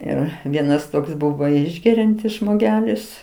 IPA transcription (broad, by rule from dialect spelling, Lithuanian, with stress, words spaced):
ˈɪr ˈʋʲiɛnɐs ˈtoːks ˈbʊʋoː ˈɪʒʲɡʲɛrʲɛnʲtʲɪs ʒmoːˈɡʲæːlʲɪs